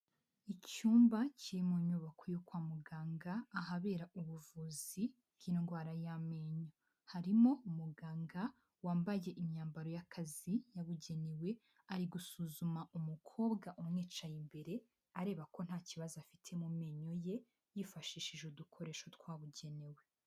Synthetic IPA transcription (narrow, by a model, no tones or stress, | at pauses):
icuːmbaciɾimuɲuβakojokwaːmuɡaːŋɡaːɦaβe̞ːɾauβuvuːzi | kinoŋɡwaːɾajameɲo̞ | haɾimo̞umuɡaːŋɡa | waːmbaje̞ʔimɲaːmbaɾo̞jakʰazijaβuɟe̞newe̞ | aɾiɡusuzumaumukʰo̞ːbɡaʔumŋeːt͡ʃajimbe̞ɾe̞ | aɾe̞ːβako̞n̥haːciβazafitʰe̞mumeɲo̞je̞ | jifaʃiːʃiʒudukʰo̞ɾe̞ːʃo̞twaːβuɟe̞newe̞